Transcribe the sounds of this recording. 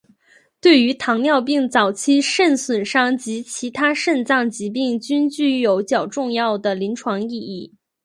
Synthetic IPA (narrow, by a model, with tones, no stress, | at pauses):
t̪we˥˩ɪy˧˥t̪ʰɑ˧˥ŋljɑ˥˧ʊp̬i˥˩ŋt͡sɑ˨˩ʊt͡ɕʰi˥˧ʂə˥˩nswə˨˩nʂɑ˥˩ŋt͡ɕi˧˥t͡ɕʰi˧˥t̪ʰa˥ʂə˥˧nt͡sɑ˥˩ŋt͡ɕi˧˥p̬i˥˩ŋt͡ɕy˥nt͡ɕy˥˩jo˨˧˥ʊt͡ɕjɑ˨˩ʊʈ͡ʂʊ˥˧ŋjɑ˥˩ʊd̪ə˩li˧˥nʈ͡ʂʰwɑ˧˥ŋi˥˧i˥˩